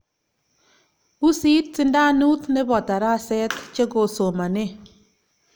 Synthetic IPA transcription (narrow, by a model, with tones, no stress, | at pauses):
u˦si˦t̚si˦nda˦nu˦tne˦bɔ˨ta˨ɾa˦˨sɛ˦tt͡ʃe˦ko˨so˨ma˨ne˦